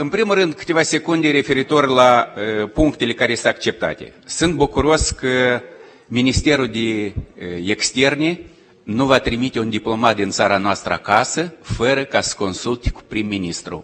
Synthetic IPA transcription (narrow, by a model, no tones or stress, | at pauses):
ɨnpɾimuɾɨnd̪̚kɨ̥t̪ʲe̞vasʲe̞kund̪eɾe̞fe̞ɾit̪o̞rʲlaəpuŋkt̪e̞le̞kaɾesɨakt͡ʃe̞p̚t̪a̰t̪e̞̰sɨnt̪̚bukuɾo̞skə | minist̪e̞ɾud̪e | ekst̪e̞rne | nuvat̪ɾimit̪ʲe̞und̪iplˠo̞mat̪̚d̪int̪saɾanoast̪ɾəa̰kasəfəɾəkasə̥ko̞nsult̪ʲku̥pɾimːinist̪ɾṵ